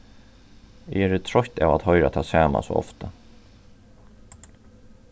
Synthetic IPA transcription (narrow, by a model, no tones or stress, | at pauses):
ɪ̰ɛɾɪt̪ʰɾɔçt̪a̰vat̪hɔʏɾat̪ʰaːsaːma̰sɔɔ̰ft̪a